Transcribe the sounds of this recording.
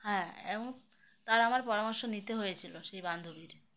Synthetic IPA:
hɛ̃eboŋ | t̪aɾamaɾpɔɾamɔɾʃonit̪eɦojet͡ɕʰiloʃejband̪ʱobiɾ

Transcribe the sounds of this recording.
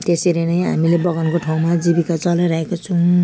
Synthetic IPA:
t̪eseɾenʌjɦa̰milebʌɡʌnkoʈʰaw̃mad͡zibikat͡sʌlajɾaɦekot͡sʰũ

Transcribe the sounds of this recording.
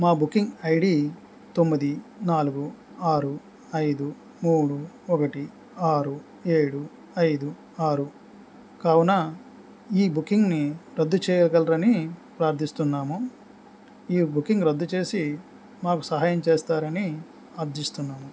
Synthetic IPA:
maːbukːiŋɡɐjɖiː | t̪o̞mːid̪inaːluɡu | aːɾu | ɐjd̪u | muːɽu | ɔkɐʈi | aːɾu | eːɽu | ɐjd̪u | aːɾu | kaːwunɐ | iːbukːiŋɡniɾɐd̪ːut͡ʃɛːjɐlɡɐlɾɐnipɾaːɾt̪ʰːist̪unːaːmu | iːbukːiŋɡɾɐd̪ːut͡ʃe̞ːsi | maːkusɐɦaːjɐmt͡ʃeːst̪aːɾɐni | aɾd̪ist̪unːaːmu

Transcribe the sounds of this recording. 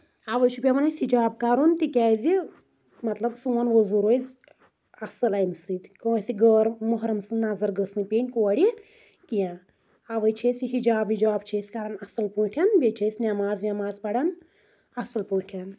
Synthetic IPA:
aʋəjt͡ʃʰupʲamɐnɐsid͡ʒaːb̚kɐɾunt̪ikʲaːzi | mɐt̪lɐbsuʋɐnʋozuɾojzʲ | ɐsɐlɐjmsɨt̪kɐsiɡəːɾmoɦɾɐmsɨnazɐɾɡəsɨ̃npʲeːnʲkuɐɽʲi | kija | aʋəjt͡ʃʰesʲiɦid͡ʒaːbʋid͡ʒaːb̚t͡ʃʰeːsʲkɐɾanɐsɐlpũːʈʰʲɐnbʲet͡ʃʰeːsʲnʲɐmaːzʋʲamaːzpɐɽɐn | ɐsɐlpuːʈʰɐn

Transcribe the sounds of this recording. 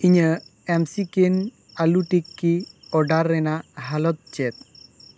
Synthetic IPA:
iɲəɛmsiken | aluʈikːiɔɖaɾːɛnaɦalɔt̪̚t͡ʃet̪̚

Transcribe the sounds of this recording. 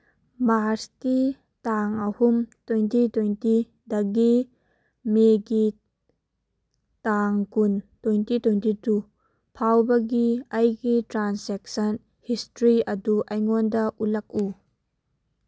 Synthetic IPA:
maski | taŋɐhumtwɔjntitwejnti | dɐɡi | meɡi | taŋkuntwɔjntitwɔjntitu | pʰawbɐɡiɐjɡitɾansɛk̚sɐn | histɾiɐduʔɐjŋɔndɐʔulɐk̚u

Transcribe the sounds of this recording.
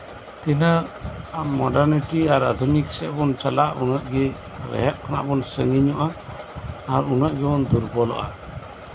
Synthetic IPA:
t̪ɛnaaːɔɖaɾniʈiaɾa̰d̪ʱuniksɛʔbɔnt͡ʃalaʔunaʔɡɛ | ɾɛ̰ɦɛʔ̚kʰana̰ʔbɔnsəŋiɲɔʔaː | ɾunaʔɡɛbɔnd̪uɾbɔlɔ̰ʔa̰

